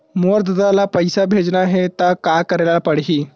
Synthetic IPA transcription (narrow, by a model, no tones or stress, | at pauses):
moɾd̪əd̪alapəjsabʱed͡znaɦet̪akakəɾelapəɽɦiː